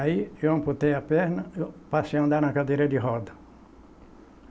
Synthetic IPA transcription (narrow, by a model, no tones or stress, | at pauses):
iewɐ̃mpʊt̪ẽjɐpɛɾnɐepaseɐ̃nd̪aɾnɐkad̪ejɾɐdɪɦɔd̪ɐ